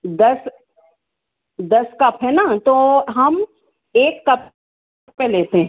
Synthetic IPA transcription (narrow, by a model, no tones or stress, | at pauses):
d̪ɐs | d̪ɐskɐpʰɦɛnat̪oɦɐm | eːkːɐp̚ | peleːt̪eɦ